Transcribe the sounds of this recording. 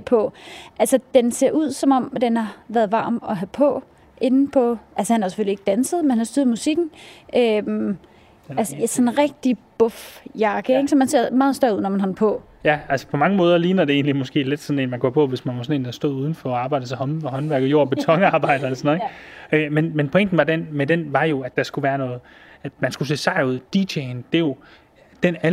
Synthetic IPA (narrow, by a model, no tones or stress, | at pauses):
pʰɒ̽ʔælsəd̥ense̝̰ɐ̰ʔuð̞̰ˠsɒ̽mɒ̽m̰d̥enhɑ̈ʋæːɐðˠʋɑ̈ːmɒ̽ɦæpʰɒ̽ | ʔe̝nn̩pʰɒ̽ʔælsəhænhɑse̥følie̝ɡ̥d̥ænsəðˠmenhænɑsd̥yːɐð̩ˠmusiɡ̥n̩ʔøm | ælssɒ̽nʁɛɡ̥̚d̥ib̥ɔfjɑ̈ɡ̥əeɡ̥sɒ̽mænse̝ɐ̰mɑ̈ːðˠsd̥ɐuð̰ˠnɒmænɦɒ̽n̩pʰɒ̽ | jæælsə̥pʰɒ̽mɑ̈ŋəmɔ̽ːðˠɐliːnɐd̥e̝e̝̰ːnlimɒ̽sɡ̥e̝̰ːle̝d̥sɒ̽ne̝ːnmænɡ̥ɒ̰ːpʰɒ̽ʋe̝smænʋɑsɔ̽ne̝̰ːnæsd̥ɔ̰ðˠuðˠn̩fɒɑ̈ːbɑ̈ɪ̰d̥ət͡sʰehɒnɦɒ̽nʋæɐɡ̥jo̝̰ɐ̰b̥e̝t͡sʰɒ̽ŋɑ̈ːb̥ɑ̈ɪ̰d̥ɐelɐsɒnðˠeɡ̥ømenmenpʰɔ̽eŋ̰d̥n̩ʋɑdenmedenʋɑ̈jo̝æd̥ːɑ̈sɡ̥uʋæːɐnɔ̽ːð̩ˠ | æd̥mænsɡ̥us̬e̝̰ːsɑ̈ɪuð̞̰ˠd̥iɕʰend̥e̝jo̝ | d̥enæ